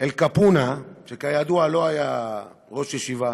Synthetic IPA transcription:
elkapunaʃekajad̪ualo̞ajaʁo̞ʃjeʃiva

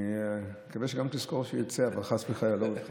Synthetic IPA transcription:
ikaveʃeɡamt̪iskoʁʃejot͡seavalχasbeχajalobeχ

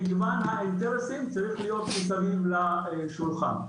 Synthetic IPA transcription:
ɪzmanɦaekzeʁesimt͡saʁiχlijo̞t̪musavimla | ʃulχa̰n

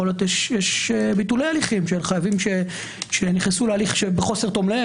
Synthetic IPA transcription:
oljot̪jeʃjeʃbitulejaliχimʃelχajavimʃe | ʃe̞niχnesulealiχʃebeχo̞set̪o̞mle

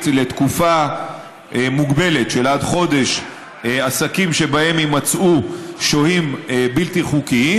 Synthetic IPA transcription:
le̞t̪kufa | muɡbe̞le̞tʃelad̪χo̞d̪e̞ʃ | asakimʃe̞bae̞mimat͡suʃohimbilt̪iχukii

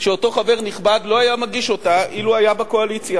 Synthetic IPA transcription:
ʃeoto̞χave̞ʁniχbadlo̞ajamaɡiʃo̞taʔiluajabeko̞alit͡sja

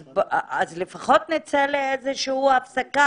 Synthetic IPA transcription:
bazlefaχot̪nit͡seleezeʃiuafsaka

